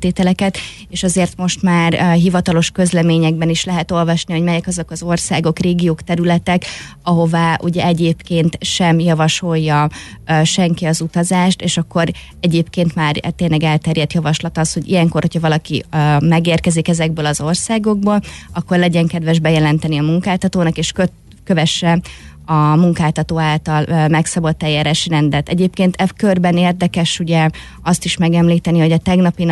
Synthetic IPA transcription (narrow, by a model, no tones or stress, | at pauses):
t̪eːt̪ɛlɛkɛt̪ | eːʃɒzeːrt̪mo̞ʃt̪maːrɦivɒt̪ɒlo̞ʃkøzlɛmeːɲɛɡ̚bɛniʃlɛɦɛt̪o̞lvɒʃniho̞ɟmɛjɛkɒzo̞kɒzo̞rsaːɡo̞kreːɡijoːkt̪ɛɾylɛt̪ɛkɒɦo̞vaːʔuɟɛɛɟeːpkeːnt̪ʃɛmjɒvɒʃo̞jːɒʃɛŋkiɒzut̪ɒzaːʃt̪eːʃɒkːo̞ɾ | ɛɟeːpkeːnt̪maːrt̪eːnlɛɡɛlt̪ɛɾjɛt̪jɒvɒʃlɒt̪ɒsho̞ɟḭjɛŋko̞rho̞cʰɒvɒlɒkḭmɛɡeːrkɛzikɛzɛɡ̚bøːlɒzo̞rsaːɡo̞ɡ̚boːlɒkːo̞rlɛɟɛŋkɛd̪vɛʒbɛjɛlɛnt̪ɛniɒmuŋkaːlt̪ɒt̪oːnɒkeːʃkø | køvɛʃːɛ | ɒmuŋkaːlt̪ɒt̪oːaːlt̪ɒlmɛksɒbot̪ːɛjaːɾaːʃirɛnd̪ɛt̪ɛɟeːpkeːnt̪ʰɛkørbɛneːrd̪ɛkɛʃuɟɛ | ɒst̪iʃmɛɡɛmliːt̪ɛniho̞ɟɒt̪ɛɡnɒpin